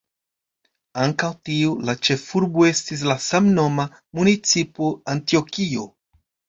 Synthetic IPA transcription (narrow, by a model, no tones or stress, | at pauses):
aŋkawtiulat͡ʃe̞fuɾboe̞stis̬lasamno̞ma | munit͡sipoantio̞kio